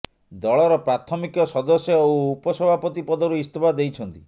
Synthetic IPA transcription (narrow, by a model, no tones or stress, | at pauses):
d̪ɔɭɔɾɔpɾat̪ʰɔmikjɔsɔd̪ɔsjɔowupɔsɔbʱapɔt̪ipɔd̪ɔɾuist̪ʰɔbʱad̪ejt͡ʃʰɔnt̪ḭ